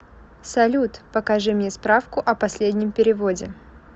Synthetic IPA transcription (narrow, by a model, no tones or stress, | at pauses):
sɐlʲut̪pəkɐʐɨmnʲespɾafkʊʔɐpɐsʲlʲedʲnʲɪmpʲɪɾʲɪvo̞dʲɪ